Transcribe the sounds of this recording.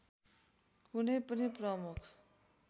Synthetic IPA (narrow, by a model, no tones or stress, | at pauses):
hunepʌniprʌmukʰ